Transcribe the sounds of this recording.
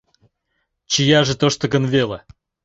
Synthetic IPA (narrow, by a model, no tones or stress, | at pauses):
t͡ɕɪjaʐɨt̪oʂt̪oɡənvʲelˠə